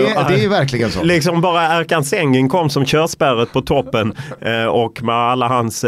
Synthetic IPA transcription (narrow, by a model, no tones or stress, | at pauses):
d̪ɛjvæɾklɪɡənsɔ̰lɪksɔmbɑːɾaæɾkansɛŋːənkʰɔmːsɔmɕœːʂbæɾət̪̚pʰɔt̪ʰɔpːənɔkkːmɛalːaɦans